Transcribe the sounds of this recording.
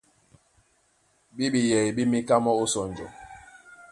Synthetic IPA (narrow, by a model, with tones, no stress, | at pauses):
bi˦bi˨jɛ˨i˨bi˦mi˦ka˦mɔ˦u˦sɔ˨n˨d͡ʒɔ̰˨